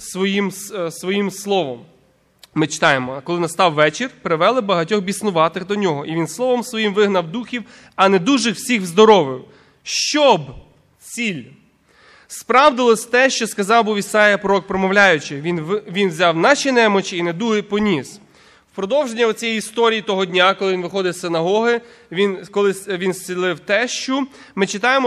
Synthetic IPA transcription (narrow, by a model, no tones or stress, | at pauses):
sʋɔjimssʋɔjimslˠɔʋɔm | mɪt͡ʃɪ̥t̪ɑjemɔkɔlˠɪnɐst̪ɑwːɛt͡ʃɪrʲpɾɪʋɛlˠɪbɐɦɐtʲɔɣbʲisnʊʋɑt̪ɪɣd̪ɔnʲɔɦɔʔiʋʲinslˠɔʋɔmsʋɔjimʋɪɦnɐwd̪uxʲiw | ɐnɛd̪uʒɪwsʲixzd̪ɔɾɔʋɪw | ʃt͡ʃɔb | t͡sʲilʲ | spɾɑwd̪ɪlˠɔsʲt̪ɛʃt͡ʃɔskɐzɑwbɔʋʲisɑjɐpɾɔɔk̚pɾɔmɔwlʲajʊt͡ʃɪinʋʲinwzʲɑwnɑʃinɛmɔt͡ʃɪːned̪uɦɛpɔnʲis | wpɾɔd̪ɔwʒenʲːɐɔt͡sʲɛjiist̪ɔɾʲijit̪ɔɦɔd̪ʲnʲakɔlˠɪʋʲinʋɪxɔd̪ɪwsɪnɐɦɔɦɪ | ʋʲinkɔlˠɪsʋʲinsʲt͡sʲilˠɪwt̪ɛʃt͡ʃɔ | mɪt͡ʃɪt̪ɑjemɔ